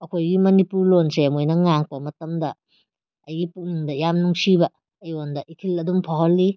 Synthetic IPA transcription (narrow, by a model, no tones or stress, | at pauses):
ɐkʰojɡimɐnipuɾlonsemojnɐŋaŋpɐmɐtɐmdɐ | ɐjɡipukniŋdɐjamnuŋsibɐː | jondɐʔikʰilɐdumpʰaɦɐlːi